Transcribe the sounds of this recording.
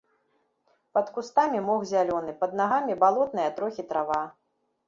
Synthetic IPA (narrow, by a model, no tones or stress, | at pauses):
pɐt̪kust̪amʲimɔɣzʲalʲɔnɨpɐd̪̚naɣamʲibalˠɔt̪̚nɐjɐt̪ɾɔxʲit̪ɾava